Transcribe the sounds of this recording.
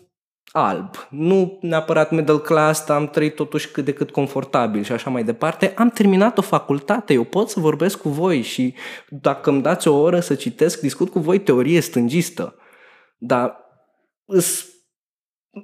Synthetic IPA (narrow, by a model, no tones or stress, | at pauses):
a̰lbnuneapəɾat̪med̪əlklast̪amt̪ɾəit̪ːo̞t̪uʃʲkɨt̪̚d̪e̞kɨt̪ko̞ɱfo̞rt̪abilʃiaʃamajd̪e̞part̪e̞ʔamt̪e̞rminat̪o̞fakult̪at̪e̞jewpo̞t̪səvo̞rbe̞skːuvo̞jʃid̪akəmd̪at̪sʲo̞o̞ɾəsət͡ʃit̪e̞skd̪iskut̪̚kuvo̞jt̪e̞o̞ɾije̞st̪ɨnd͡ʒist̪ə̰ | d̪a | ɨs